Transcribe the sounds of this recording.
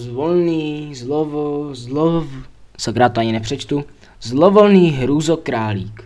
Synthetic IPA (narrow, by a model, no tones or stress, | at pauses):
zvolniːzlovolo | sakɾaːt̪oaɲɪnɛpr̝̥ɛt͡ʃt̪u | zlovolniːɦɾuːzokɾaːliːk